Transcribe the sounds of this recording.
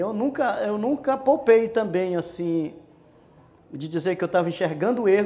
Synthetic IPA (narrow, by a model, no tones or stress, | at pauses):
ewnũkɐewnũkɐpowpejt̪ɐ̃bẽj̃asĩ | d͡ʒɪd͡ʒizeɾkɪewt̪avɐĩʃeɾɡɐ̃nd̪ʊueɦ